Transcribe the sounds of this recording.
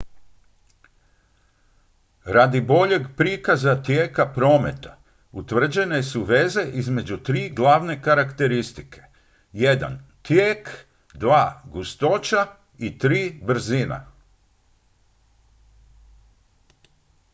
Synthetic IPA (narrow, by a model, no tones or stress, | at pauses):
ɾad̪ibo̞ʎe̞ɡpɾiːkazat̪jeːkapɾo̞ːme̞t̪ḁ | ut̪ʋr̩d͡ʑe̞nesuʋe̞ze̞ʔizme̞d͡ʑut̪ɾiːɡlˠaʋne̞kaɾakt̪e̞ɾist̪i̥kʰe̞̥ | jed̪a̰nt̪jeːk | d̪ʋaːɡust̪o̞t͡ʃa | it̪ɾiːbr̩zina̰